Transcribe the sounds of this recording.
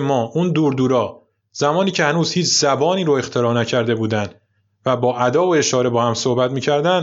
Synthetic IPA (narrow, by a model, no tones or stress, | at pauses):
mɒːʔund̪uːɾd̪uːɾɒː | z̥æmɒːniːcʰe̞hænuːz̥hiːt͡ʃʰz̥æbɒːniːɾoe̞xt̪ʰe̞ɾɒːnæcʰæɾd̪e̞buːd̪ænd̪ | væbɒːʔæd̪ɒːoe̞ʃɒːɾe̞bɒːhæmsohbæt̪miːcʰæɾd̪æn